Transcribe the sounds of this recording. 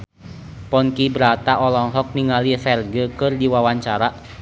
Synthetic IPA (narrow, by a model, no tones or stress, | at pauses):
pɔnkibɾat̪aʔɔlɔŋɦɔk̚niŋalifɛrɡəkɨrdiwawaɲt͡ʃaɾaʔ